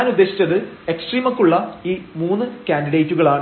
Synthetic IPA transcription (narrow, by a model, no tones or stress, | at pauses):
nud̪ːeːɕi̥t͡ɕːɐðɨeksʈriːmɐkːuɭːɐiːmuːnːɨkʲaːnɖiɽejtːuɣɐɭaːɳ